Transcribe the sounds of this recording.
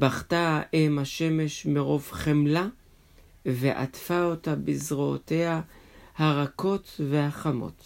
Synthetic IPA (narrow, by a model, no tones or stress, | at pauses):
baχtaʔemhaʃe̞me̞ʃmeʁo̞vχemla | veʔa̰tfaotabizʁoote̞hahaʁako̞tvehaχamo̞̰t